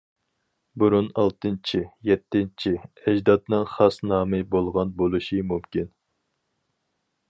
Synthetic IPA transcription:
buɾunɑlˠt̪ɨnt͡ʃʰijɛt̪ʰːɪnt͡ʃʰiɛd͡ʒd̪ɑt̪nɨŋχɑsnɑːmɨbolˠʁɑnbolˠɨʃimumkʲin

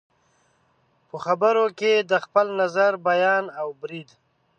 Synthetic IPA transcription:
pəxabəɾoked̪əxpəlnazaɾbajɑnawbɾid̪

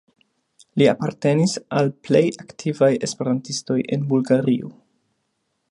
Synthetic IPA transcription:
liapaɾte̞nisalple̞jaktʰivaje̞spe̞ɾantisto̞jʔe̞̰nbulɡaɾio

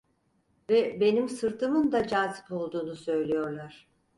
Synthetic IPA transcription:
vɛbe̞nimsɯɾt̪ʰɯmɯnd̪ad͡ʒaːzɯ̥po̞lˠd̪uːnusø̞jlʲejo̞ɾlˠaɾ̥

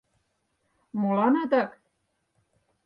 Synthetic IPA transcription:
molɑnɤd̪ɤk

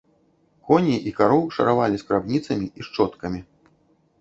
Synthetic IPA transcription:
kɔnʲiʔikaɾɔwʂɐ̰ɾavalʲiskɾabnʲit̪sɐmʲiiʂt͡ʂɔt̪kɐmʲi

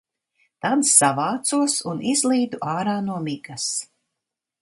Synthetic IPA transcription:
t̪ansavaːt̪suɔsunʔizlˠiːd̪uʔaːɾaːnuɔmiɡas

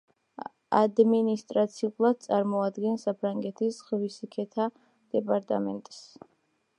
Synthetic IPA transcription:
a̰d̪minist̪ʼɾat̪sʰiulˠad̪̚t̪sʼaɾmɔad̪ɡɛnsapʰɾaŋɡɛt̪ʰisʁvisikʰɛt̪ʰa | d̪̥ɛpʼaɾt̪ʼamɛnt̪ʼs

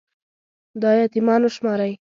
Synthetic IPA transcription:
d̪ɑjɑt̪imɑnoʃmɑɾaj

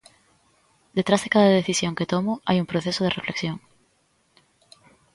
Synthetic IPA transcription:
d̪et̪ɾazðekaðaðeθisjoŋket̪omʊa̰juŋpɾoθesoð̞erefleksjoŋ

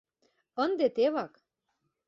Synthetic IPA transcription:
ənd̪et̪eβɑk

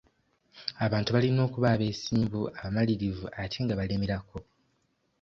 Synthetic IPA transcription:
aβaːntuβalino̞ːkuβaβe̞ːsiːmbuaβamaliɾivuʔatʰeŋɡaβalemiɾako̞

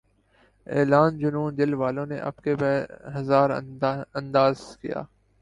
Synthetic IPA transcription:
eːlaːnd͡ʒʊnũːnd̪ɪlʋaːlõnḛʔɐ̰bkebɛɦɐzaːɾɐ̃nd̪aːzkija̰ː

